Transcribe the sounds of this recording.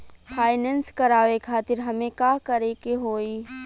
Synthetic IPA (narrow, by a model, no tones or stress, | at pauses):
fʰaːɪnɛ̃nskɐɾaːʋekʰaːt̪ɪɾɦɐmẽkaːkɐɾekeɦoːi